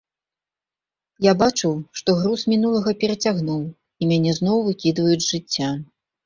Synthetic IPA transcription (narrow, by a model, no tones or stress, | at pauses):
jabat͡ʂɨwʂt̪ɔɣɾusmʲinulˠɐɣɐpʲɛɾɐt͡sʲaɣnuw | imʲanʲɛznɔwvɨkʲid̪vɐjud͡zʲʐɨt͡sʲːa